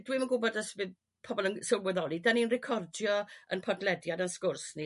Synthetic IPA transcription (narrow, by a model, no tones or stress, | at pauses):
d̥wimənɡʊbɔdəsvɨð | pʰɔbɔlˠənsɪwlwɛðɔlˠidaninrɪkʰɔrdjɔə̰npʰɔdlɛdjadanskʊrsni